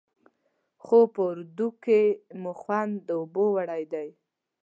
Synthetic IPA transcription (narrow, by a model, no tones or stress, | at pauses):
xopəʊɾd̪ukemuxwand̪ːəobowaɽajd̪aj